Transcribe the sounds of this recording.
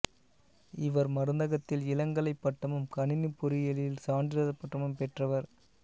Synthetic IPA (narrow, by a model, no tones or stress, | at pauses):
ɪʋɐɾmɐɾɯnd̪ɐɣɐt̪ːɪlɪlɐŋɡɐɭɐɪpːɐʈːɐmɯmkɐnɪnɯpːʊɾɪjɐlɪlsaːɳɖɪɾɐðɐpːɐʈːɐmɯmpɛʈrɐʋɐɾ